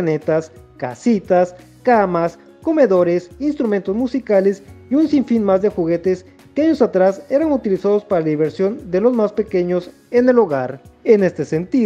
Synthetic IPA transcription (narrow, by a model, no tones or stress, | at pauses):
ne̞t̪as | ka̰sit̪as | kamas | ko̞me̞ðo̞ɾe̞sinst̪ɾument̪o̞zmusikale̞siunsiɱfinmazd̪e̞xuɣe̞t̪e̞s | keaɲo̞sat̪ɾase̞ɾaŋut̪ilisaðo̞spaɾalaðiβe̞ɾsjo̞nd̪e̞lo̞zmaspe̞ke̞ɲo̞s | e̞ne̞lo̞ɣaɾene̞st̪e̞se̞nt̪i